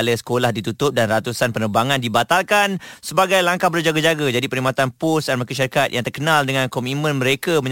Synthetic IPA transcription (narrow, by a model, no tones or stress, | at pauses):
ləsə̥kolahdit̪ut̪ʊp̚danrat̪usanpənəbaŋandibat̪alkansəbaɡajlaŋkahbərd͡ʒaɡad͡ʒaɡad͡ʒadipəɾimat̪anpusdanmakiʃaɾikat̪̚jã̰ŋt̪ərkənaldəŋãnkɔmit̪̚mə̃nməɾekaməɲ